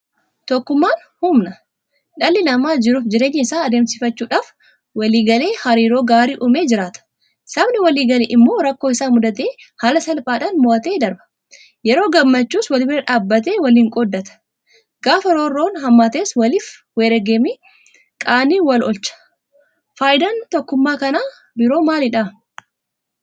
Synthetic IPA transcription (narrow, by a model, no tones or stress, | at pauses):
t̪ɔkːʊmːaːn | hʊmnɐ | ᶑɐlːɪnɐmaːd͡ʒɪɾuːfd͡ʒɪɾe̞ːɲːɪɪsaːɐd̪eːmsɪfɐt͡ʃːuːᶑaːf | wɐliːɡɐle̞ːhɐɾiːɾo̞ːɡaːɾiːʔʊmeːd͡ʒɪɾaːt̪ɐ̥ | sɐbnɪwɐliːɡɐlḛːʔɪmːo̞ːɾɐkːoːɪsaːmʊd̪ɐt̪eː | haːlɐsɐlpʼaːᶑaːnmʊʔɐt̪e̞ːd̪ɐɾbɐ̥ | jɛɾo̞ːɡɐmːɐt͡ʃːuːswɐlɪfɪɾɛᶑaːbːɐt̪̬e̞ːwɐliːŋkʼɔd̪ːɐt̪ɐ̥ | ɡaːfɐɾoːrːo̞ːnɦɐmːaːt̪eːswɐlɪf | weːɾɐɡeːmi | kʼaːniːwɐlʔɔlt͡ʃɐ̥ | faːjɪd̪ɐnt̪ɔkːʊmːaːkɐnaː | bɪɾo̞ːmaːlɪᶑa